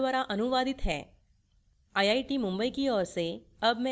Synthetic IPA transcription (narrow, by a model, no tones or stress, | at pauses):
ʋaɾaʔənuʋad̪ɪt̪ɦɛː | ajaiʈimʊ̃mbəikiɔːɾse | əbmẽ